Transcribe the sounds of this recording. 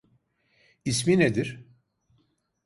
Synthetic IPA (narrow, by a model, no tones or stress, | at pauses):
ismined̪iɾ̥